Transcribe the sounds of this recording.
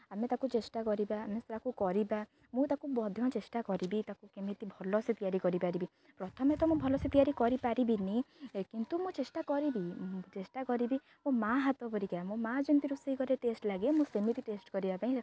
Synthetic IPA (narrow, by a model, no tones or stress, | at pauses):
amet̪akut͡ʃesʈakɔɾibaːmesɾakukɔɾiba | mũt̪akubɔd̪ʱjɔ̃t͡ʃesʈakɔɾibit̪akukemit̪ibʱɔlɔsit̪ijaɾikɔɾipaɾibi | pɾɔt̪ʰɔmet̪ɔmũbʱɔlɔsit̪ijaɾikɔɾipaɾibinikint̪umũt͡ʃesʈakɔɾibit͡ʃesʈakɔɾibi | mũmaɦat̪ɔpɔɾikamũmad͡ʒunt̪iɾuseikɔɾeʈesʈlaɡemũsemit̪iʈesʈkɔɾibapaĩ